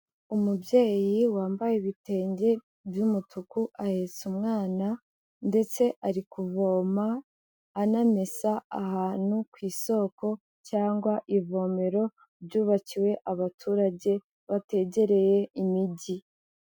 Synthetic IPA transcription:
umubje̞ːjiwaːmbajeβite̞ːɲɟe̞ | bjumutʰukuʔahe̞ːt͡sumŋaːna | nde̞t͡se̞ʔaɾikuvo̞ːmaː | name̞saahaːn̥hukwiːso̞ːko̞ | caːŋɡwaʔivo̞ːme̞ɾo̞ | ɾjuːβaciwe̞ʔaβatʰuɾaɟe̞ | βate̞ɟe̞ɾe̞je̞imiɟi

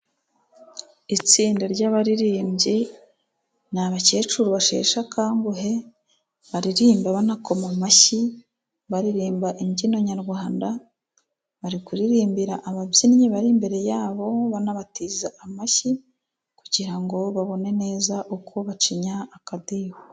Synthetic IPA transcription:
it͡siːndaɾɟaβaɾiɾiːmɟe | naβace̞ːt͡ʃuɾuβaʃe̞̰ːʃakaːŋɡuɦe̞ | βaɾiɾiːmbaβanako̞mamaçi | βaɾiɾiːmbaʔiɲɟino̞ɲaɾɡwaːnda | βaɾikuɾiɾiːmbiɾaʔaβabjinɲiβaɾimbe̞ɾe̞jaːβo̞βanaβatiːzaamaçi | kuɟiɾaŋɡo̞βaβo̞ne̞ne̞ːzaʔukʰoβat͡ʃiɲaːkadiːho

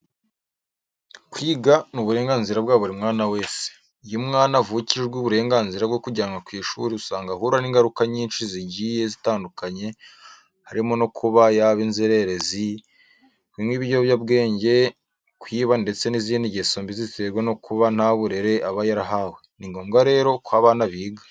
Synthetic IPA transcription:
kwiːɡanuβuɾe̞ːŋɡaːnziɾab̚ɡaːβoɾimŋaːnawe̞ːse̥ | ijumŋaːnavuciʒewuβuɾe̞ːŋɡaːnziɾabɡo̞kuɟaːŋɡakwiːʃṵɾiusaːŋɡahuɾaniːŋɡaɾukaɲiːnʃiziɟiːje̞zitaːndukaɲe̞ | haɾimono̞kʰuβajaβinzeɾe̞ɾe̞zi | kwiːmwiːβiɾɟoβjab̚ɡe̞ːɲɟe̞ | kwiːβande̞t͡se̞niziniɟesoːmbiziteɾɡweno̞kuβan̥haːβuɾeɾe̞ʔaβajaɾaɦaweniŋɡo̞ːmɡaɾe̞ːɾo̞kwaːβaːnaβiːɡḁ

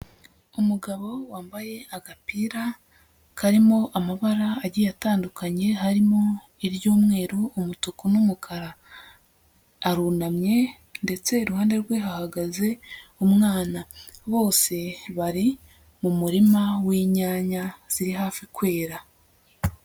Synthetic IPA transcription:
umuɡaβo̞waːmbaje̞aɡapiːɾa | kaɾimo̞ʔamaβaɾaːɟijataːndukʰaɲe̞haɾimo̞ | iɾjuːmŋe̞ːɾoːmutukunumukʰaɾa | ɾuːnamɲe̞ | nde̞t͡se̞iɾuhaːnde̞ɾɡwe̞ɦahaɡaze̞umŋaːnaβo̞ːse̞βaɾi | mumuɾimawiːɲaːɲaz̥iɾiɦaːfikwe̞ːɾa

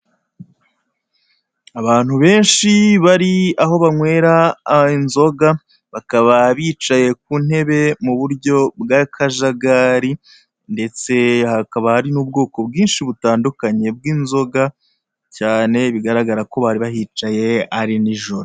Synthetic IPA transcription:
aβaːn̥huβe̞ːnʃiβaɾiaɦo̞βaŋwe̞ːɾainzo̞ɡa | βakaβaβiːt͡ʃaje̞k̚uːn̥he̞βe̞muβuɾɟo̞bɡakʰaʒaɡaɾi | nde̞t͡se̞hakaβahaɾinuːb̚ɡo̞ːko̞bɡiːnʃiβutaːndukaɲe̞bɡiːnzo̞ɡa | caːne̞βiɡaɾaɡaɾako̞βaɾiβahit͡ʃaje̞aɾiniʒoɾo

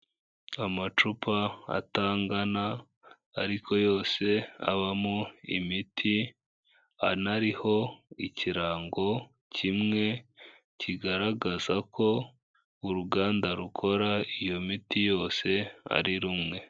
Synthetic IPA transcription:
amat͡ʃupʰaa̰taːŋɡana | aɾikʰo̞jo̞ːse̞a̰βamoḭmitʰi | anaɾiho̞iciɾaːŋɡo̞ | cʰimŋe̞ | ciɡaɾaɡazakʰo̞ | uɾuɡaːndaɾukʰo̞ɾaijo̞mitijo̞ːse̞a̰ɾiɾumŋe̞

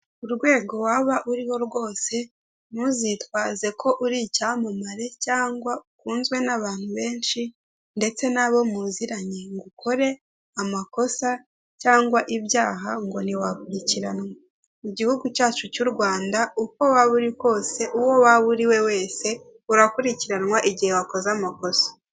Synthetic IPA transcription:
uɾɡwe̞ːɡo̞waβaʔuɾiwo̞ɾɡwo̞ːse̞ | muzitwaːze̞kʰo̞ʔuɾicamumaɾe̞caːŋɡwaukuːnzwe̞naβaːn̥huβe̞ːnʃi | nde̞t͡se̞naβo̞muziɾaɲeŋɡukʰo̞ɾe̞ | amako̞sa | caːŋɡwaʔiβjaːɦaŋɡo̞niwakuɾiciɾanŋwa | iɟihuɡucaːt͡ʃucuɾɡwaːndauko̞waβuɾiko̞ːse̞ʔuwo̞waβuɾiwe̞we̞ːse̞ | uɾakuɾiciɾanŋwaʔiɟihewako̞zamako̞sḁ

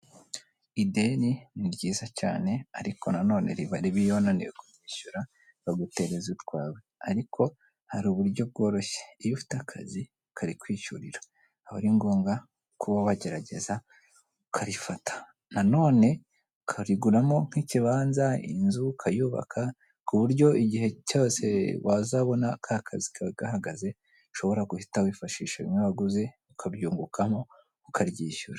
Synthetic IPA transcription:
ide̞niniɾɟiːzaca̰ːne̞aɾikʰo̞nano̞ːne̞̰ɾiβaɾiβijonaniweɡujiːʃuɾa | βaɡute̞ɾe̞zutɡwaːweaɾikʰo̞ | haɾuːβuɾɟo̞b̚ɡo̞ːɾo̞ʃe̥ːjufu̥takʰa̰zi | kʰaɾikwiːʃuɾiɾḁː | βaɾiŋɡoːŋɡa | kʰuβoβaɟe̞ɾaɟe̞za | ukʰaɾifatʰḁ | nano̞ːne̞ | kʰaɾiɡuɾamo̞ŋ̥hiciβaːnzaḭnzukʰajuβa̰kʰa | kuβuɾɟo̞iɟiɦe̞coːse̞̰wazaβo̞nakʰaːkʰazikʰaɡ̥ahaɡaze̞ | ʃo̞βo̞ɾaɡuhitawifaʃiːʃaimaβaɡuze̞ | ukʰabjuːŋɡukʰamo̞ | ukʰaɾjiːʃuɾa

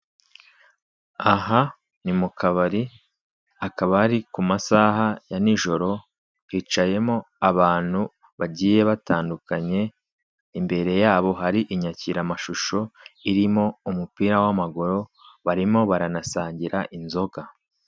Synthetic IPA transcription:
aɦa | nimukaβaɾi | akaβaɾikumasaːɦajaniʒo̞ɾo̞ | hiːt͡ʃaje̞mo̞ | aβaːn̥hu | βaɟiːje̞βataːndukaɲe̞ | imbe̞ɾe̞jaːβo̞ɦaɾiʔiɲaciɾamaʃuʃo̞iɾimo̞umupiːɾawamaɡo̞ɾo̞βaɾimo̞βaɾanasaːɲɟiɾaʔinzo̞ɡa

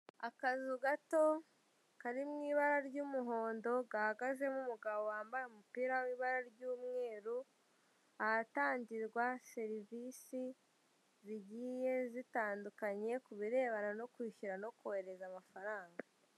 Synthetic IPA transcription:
akazuɡato̞ | kaɾimŋiːβaɾaɾɟumuɦo̞ːndo̞ɡahaɡaze̞mumuɡaβo̞waːmbaɾeumupiːɾawiːβaɾaɾɟuːmŋe̞ːɾu | aɾataːɲɟiɾɡwase̞ɾivisi | ziɟiːje̞zitaːndukaɲe̞kuβiɾe̞ːβanano̞kwiːʃuɾano̞kohe̞ɾe̞zamafaɾaːŋɡa

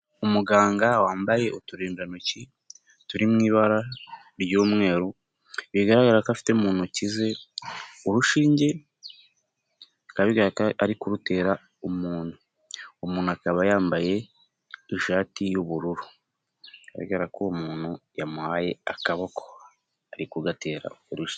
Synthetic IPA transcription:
umuɡaːŋɡawaːmbaje̞utuɾiːndanoci | tuɾimŋiːβaɾa | ɾɟoːmŋe̞ːɾo | βiɡaɾaɡaɾakafi̥temuːnhucize̞ | uɾuʃiːɲɟe̞ | kaβiɡaɾakaaɾikuɾute̞ːɾa | omuːn̥hu | omuːnuakaβajaːmbaje̞ː | ʃaːtijuβuɾuɾu | ka̰βḭɡaɾakʰomuːnhujamuhaje̞akaβokʰo̥ | aɾikuɡate̞ːɾa̰oɾuʃ

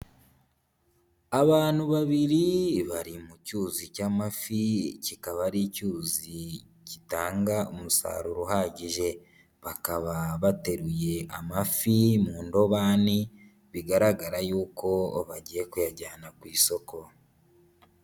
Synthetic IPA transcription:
aβaːn̥huβaβiɾiβaɾimucuːzicaːmaficikaβaɾicuːzi | citaːŋɡaomusa̰ːɾuɾuɦaɟiʒe̞ | βakaβaβate̞ɾuje̞amafimuːndo̞βaːni | βiɡaɾaɡaɾajuːko̞βaɟije̞kujaɟaːnakwiːso̞ko̞

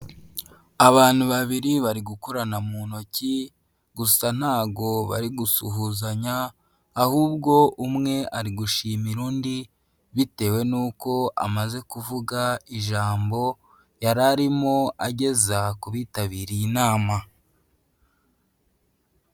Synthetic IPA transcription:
aβaːn̥huβaβiɾiβaɾiɡukoɾanamuːno̞ci | ɡusan̥haːbɡo̞βa̰ɾiɡusuɦuːzaɲaː | huːb̚ɡo̞ʔumŋe̞ʔaɾiɡuʃiːmiɾuːndi | βite̞ːwe̞nuːko̞ʔa̰maze̞kuvuɡaiʒaːmbo̞ | jaɾaɾimo̞aɟe̞zakuβiːtaβiːɾijinaːma

